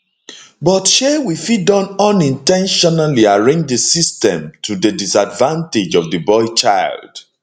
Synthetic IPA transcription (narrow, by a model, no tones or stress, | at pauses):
bɔtʃewifidɔ̃nɔ̃nĩntɛ̃nʃɔnaliaɹẽnd͡ʒdəsistɛ̰̃mtʰudədisadvãnted͡ʒɔvdəbɔɪt͡ʃaɪld̥